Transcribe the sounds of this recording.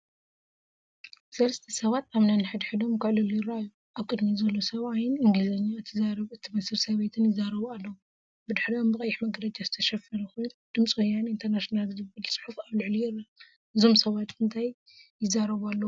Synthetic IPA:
sɐlɐst̪ʰɐsɐβat̪aβnanɨħɨd̪ħɨd̪o̞mkʰɨʕlɨlujɪɾaju | ʔaβkʼɨd̪mizɐlːo̞sɐβajɪnɨŋɡlɨzɐɲːaɨt̪ʰɨzaɾɐβɨt̪ʰimɐsɨɾsɐβet̪ʰɨnjɪzaɾɐβualːɐwu | bɨd̪ɨħɾiombɨkʼɐjːɪħmɐɡɾɐt͡ʃʼazɨt̪ʰɐʃɐfɐɾɐxujnd̪̥ɨmt͡sʼwojːanint̪ʰɐɾnaʃinalzɨbɨlsʼɨ̥ħufaβlɨʕlijɪrːa | ɨzo̞msɐβat̪ɨnt̪ʰajː | ɪzːaɾɐβalːɐwu

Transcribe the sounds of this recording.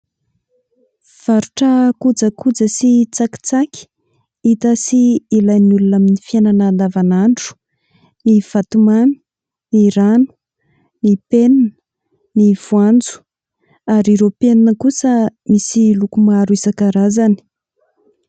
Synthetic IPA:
v̥aɾuʈ͡ʂəkud͡zəkud͡zəsit͡saki̥t͡saki̥ | it̪asiːlajnulunaminifiananand̪avanaɳɖ͡ʐu̥ | niv̥at̪umanu̥ | niɾanu̥ | nipennə | niv̥uand͡zu̥ | aɾiɾopennːəkusəmisilukumaɾuisakaɾazani̥

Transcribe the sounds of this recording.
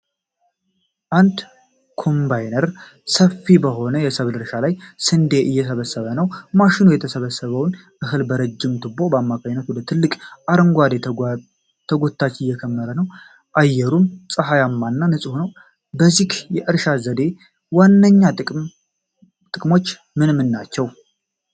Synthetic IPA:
ʔand̪ | kʰo̞mbajnəɾ | səfibəɦo̞nəjɛsəβlɨɾʃalajsɨnd̪eʔɨjːɛsəβəsːəβənəwmaʃɪnujɛt̪ʰəsəβəsːəβəwn | ʔɨɦɨlbəɾəd͡ʒːɪmt̪ʰɨbo̞bəamːakʰaɲnət̪wɔd̪ət̪ʰɨlːɨkʼʔaɾəŋɡʷad̪e | t̪ʰːəɡo̞t̪ʰːat͡ʃːɨjːɛkʰəmːəɾənəw | ʔajːɛɾumsʼɨɦajamːanːanɨsʼɨhunəw | bəzikjɛʔɨɾʃazəd̪e̞ | wanːəɲːaɨ | t̪ʼɨkʼmo̞t͡ʃː | mɨnmːɨnːat͡ʃːɛw

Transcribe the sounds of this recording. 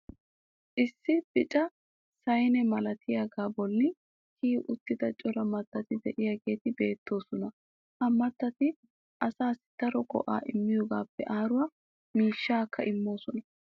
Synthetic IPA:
ʔɪsːɪb̥ɪt͡ʃʼɐ | sɐjnɛmɐlɐt̪ʰɪjaɡaːbɔlːɪ | kʰiːʔʊt̪ːɪd̪ɐt͡ʃʼɔɾɐmɐt̪ːɐt̪ɪd̪ɛʔɪjaɡe̞ːt̪ɪbe̞ːt̪ːo̞ːsɔnɐ | ʔɐmːɐt̪ːɐt̪ɪ | ʔɐsaːsɪ̥t̪ɐɾɔɡʼɔ̰ʔa̰ːʔɪmːɪjɔɡaːpːɛ̰ʔaːɾʊwaː | miːʃːaːkːɐʔɪmːo̞ːsɔnɐ

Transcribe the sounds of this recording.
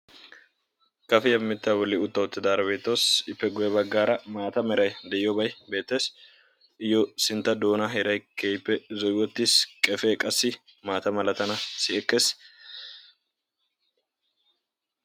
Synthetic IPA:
kɐfɪjɐmːɪt̪ːɐbɔlːɪʊt̪ːɐwɔt̪ːɪd̪aːɾɐbeːt̪ːoːsɪpːɛɡʊjɐbɐɡːaːɾɐmaːt̪ɐmɛɾɐjd̪ɛʔɪjɔbɐjbe̞ːt̪ːe̞ːs | ʔɪjːɔsɪnt̪ːɐd̪o̞ːnɐɦɛɾɐjkʰeːjpːɛzɔjwɔt̪ːɪskʼɛfeːkʼɐsːɪ | maːt̪ɐmɐlɐt̪ɐnɐsɪʔɛkːeːs

